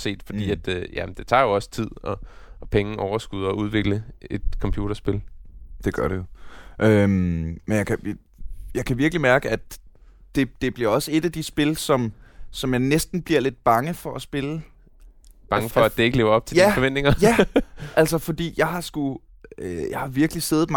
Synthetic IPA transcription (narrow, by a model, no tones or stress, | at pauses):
se̝̰ːd̥fɒd̥ḭːæd̥jæd̥e̝t͡sʰɑ̰̈ːjo̝ɒ̽sə̥t͡sʰið̞̰ˠɒ | pʰeŋ̩ʔɒʊɐsɡ̥uð̞ˠɒuð̞ˠʋe̝ɡ̥ləe̝d̥kʰɒ̽mpʰjṵːɾ̥ɐsb̥e̝ld̥e̝ɡ̥ɶɐɾejoʔømmenjɑ̈kʰæ | jɑ̈ɪkʰæʋiɐɡ̥limæɐɡ̥əæd̥ | d̥e̝d̥e̝b̥liɐɒ̽səe̝d̥æd̥isb̥e̝lsɒ̽msɒ̽mjɑ̈ɪnesd̥n̩b̥liɐle̝d̥̚b̥ɑ̈ŋəfɒ̽ʔæsb̥e̝lə | b̥ɑ̈ŋəfɒæd̥ee̝ɡ̥əle̝ːʊɐɒ̽b̥̚t͡sʰe̝jiæfɒʋen̰d̥e̝ŋɐjæʔælsɐfɒ̽d̥ḭːjɑ̈ɪɦɑ̈sɡ̥u | øjɑ̈ɪhɑ̈ʋiɐɡ̥əlise̝ð̩ˠm